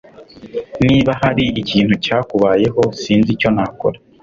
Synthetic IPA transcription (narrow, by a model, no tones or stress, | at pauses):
niːβahaɾiiciːnhucaːkuβaːje̞ɦo̞siːnzico̞naːko̞̰ɾa